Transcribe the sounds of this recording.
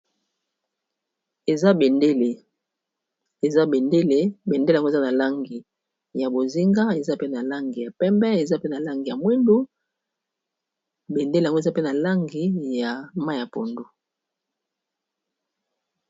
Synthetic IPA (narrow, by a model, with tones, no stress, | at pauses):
e˨za˦be˨nde˦le˨ | e˨za˦be˨nde˦le˦be˨nde˦˨ŋɡe˨za˦na˨la˦ŋɡi˨ | ja˨bo˨zi˦ŋɡa˦e˨za˦pe˦na˨la˦ŋɡi˨ja˨pɛ˦mbɛ˦e˨za˦pe˦na˨la˦ŋɡi˨ja˨mwi˦ndu˦ | be˨nde˦lŋɡo˦˨za˦pe˦na˨la˦ŋɡi˨ja˨ma˦˨ja˨po˨ndu˨